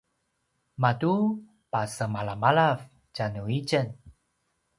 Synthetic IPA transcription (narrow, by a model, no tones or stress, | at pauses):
matu | pasəmalamalav | t͡ɕanuit͡ɕən